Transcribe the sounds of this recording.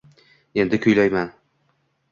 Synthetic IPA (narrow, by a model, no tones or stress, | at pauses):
e̞nd̪ɪkʲʰɵjlajman